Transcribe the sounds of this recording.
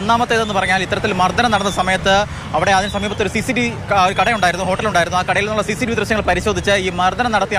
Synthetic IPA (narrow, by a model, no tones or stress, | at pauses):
nːaːmɐt̪ːe̞ːðe̞nːɨpɐrɐɲːaːlit̪ːɐɾɐt̪ːilmɐrd̪ʱɐnɐnɐɽɐnːɐsɐmɐjɐt̪ːɨ | ɐʋiɽeaːðinɨsɐmiːbɐt̪ːo̞ɾusisiʈi | oɾukɐɽɐjuɳɖaːjɾunːuɦo̞ːʈːɐluɳɖaːjiɾunːaːkɐɽɐjilenːuɭːɐsiːsiɖiʋid̪rɨɕjɐŋːɐɭpɐɾiɕo̞ːd̪ʱit͡ɕːɨiːmɐrd̪ɐnɐnɐɽɐt̪ːij